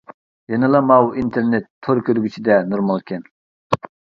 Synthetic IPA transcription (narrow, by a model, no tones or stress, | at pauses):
jɑnɨlˠɑmɑwint̪ʰeɾnet̪ʰːoɾkʲʰøɾɡʲyt͡ʃʰid̪ɛnuɾmɑlˠkʲɛn